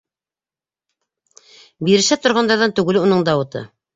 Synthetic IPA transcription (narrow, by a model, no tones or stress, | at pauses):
biɾɘ̆ʃæt̪ŏɾʁɑnd̪ɑɾðɑnt̪ʉɡɘ̆lunɤɴd̪ɑwɤ̆t̪ɤ̰